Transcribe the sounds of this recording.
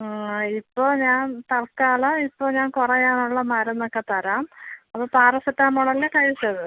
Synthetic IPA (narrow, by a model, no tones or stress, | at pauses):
ipːo̞ːɲaːnt̪ɐɭkaːɭɐipːo̞ːɲaːnkurɐjaːnuɭːɐmɐɾɐnːokːe̞t̪ɐɾaːmɐpːoːpaːrɐsɐtːaːmuɽɐlːekɐɻisɐðɨ